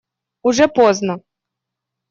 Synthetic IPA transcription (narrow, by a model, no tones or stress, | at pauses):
uʐɛpɔznɐ